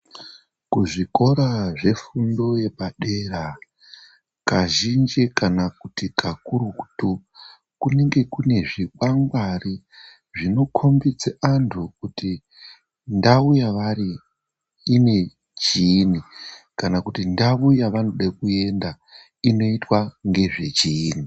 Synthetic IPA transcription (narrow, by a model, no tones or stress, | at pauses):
kuʐiko̞ɾaʐe̞fundo̞je̞ɓaɗera | kaʒind͡ʒikanakutikʰakuruku̥tu | kuniŋɡe̞kune̞ʐiɓaŋɡwari | ʐino̞kʰo̞mbid͡zeʔantʰukuti | ndaujaʋari | ine̞ | d͡ʒinikanakutindaujaʋano̞ɗakue̞nda | ino̞itwaŋɡe̞ʐe̞d͡ʒiːni